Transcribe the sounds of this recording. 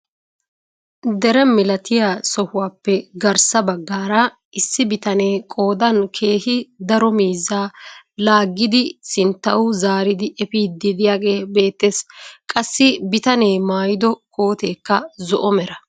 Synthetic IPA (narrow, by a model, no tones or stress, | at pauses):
d̪ɛɾɛmɪlɐt̪ɪjaːsɔhʊwaːpːɛɡɐɾsɐbɐɡːaːɾɐ | ɪsːɪbɪt̪ɐneːkʼo̞ːd̪ɐnkʰe̞ːhɪd̪ɐɾɔmiːzːaːlaːɡːɪd̪ɪsɪnt̪ːɐʊzaːɾɪd̪ɪʔɛfiːɪd̪ɪjaːɡe̞ːbe̞ːt̪ːe̞ːskʼɐsːɪbɪt̪ɐneːmaːjɪd̪ɔkʰʼoːt̪e̞ːkːɐzɔʔɔmɛɾɐ